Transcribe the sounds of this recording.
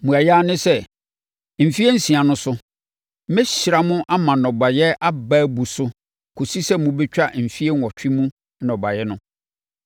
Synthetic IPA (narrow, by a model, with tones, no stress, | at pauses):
mũ˨a˨ja˦nɪ̃˦sɛ˦ | m̩˨fi˦ɛ˦n̩˦sĩ˨a˨nʊ̃˦sʊ˦ | mɛ˦ɕɪ˨ɾa˨mʊ̃˦ʔa˦mã˨nɔ̃˨ba˨jɛ˦ʔa˦ba˦bu˨sʊ˦ | kʰu˨si˦sɛ˦mʊ̃˨bɛ˦t͡ɕᶣa˦m̩˨fi˦e˦n˨ɔ˨t͡ɕᶣi˦mũ˦ | nɔ̃˨ba˨jɛ˦nʊ̃˦